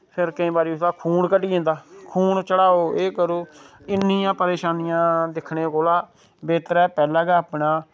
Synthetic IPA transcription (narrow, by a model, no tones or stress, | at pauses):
pʰɪɾkəĩːbaːɾiːʊsaːkʰuːɳkəʈiːẽːnd̪aːkʰuːɳt͡ʃəɽaːoːʔeːkəɾoː | ɪnːijãːpəɾeːʃaːnɪjãːd̪ɪkʰɳeːkoːlaː | beːt̪əɾɛːpɛːlaːɡɛːaːpɳaː